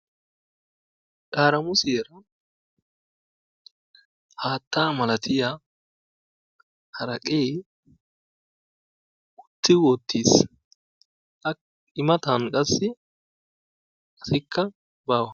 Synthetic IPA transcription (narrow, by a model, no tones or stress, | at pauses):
ᶑaːɾɐmʊseːɾɐ | haːt̪ːaːmɐlɐt̪ɪja | hɐɾɐkʼeː | ʔʊt̪ːɪwot̪ːiːs | ʔɐ | ɪmɐt̪ɐnkʼɐsːɪ | ɐsɪkʰːɐ | baːwɐ